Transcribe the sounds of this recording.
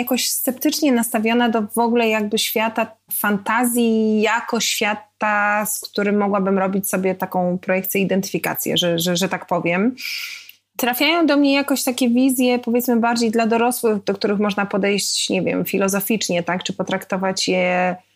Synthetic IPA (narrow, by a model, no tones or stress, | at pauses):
jakɔɕst̪sɛp̚t̪ɘt͡ʂɲɛnast̪avʲjɔnad̪ɔvɔɡulɛjaɡ̚bɘɕfʲjat̪afant̪azʲjijakɔɕfʲjat̪askt̪uɾɘmːɔɡwabɘmɾɔbʲit͡ɕsɔbʲjɛt̪akɔ̃w̃pɾɔjɛkt̪sʲjɛid̪ɛnt̪ɘ̥fʲika̰t̪sʲjɛ̰ʐɛʐɛʐɛt̪akpɔvʲjɛm | t̪ɾafʲjajɔ̃w̃d̪ɔmɲɛjakɔ̃ɕt̪akʲɛvʲizʲjɛpɔvʲjɛt̪smɘbaɾd͡ʑejd̪lad̪ɔɾɔswɘxd̪ɔk̚t̪uɾɘxmɔʐnapɔd̪ɛjɕt͡ɕɲɛvʲjɛ̰mfʲilɔzɔfʲit͡ʂɲɛt̪akt͡ʂɘpɔt̪ɾakt̪ɔvat͡ɕjɛ